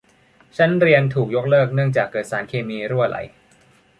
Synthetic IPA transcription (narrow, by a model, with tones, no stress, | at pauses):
t͡ɕʰa˦˥nɾi˧ənt̪ʰuː˨˩k̚jo˦˥k̚lɤː˥˩k̚nɯ˥˩əŋt͡ɕaː˨˩kːɤː˨˩t̪̚saː˩˦nkʰeː˧miː˧ɾu˥˩la̰˨˩˦j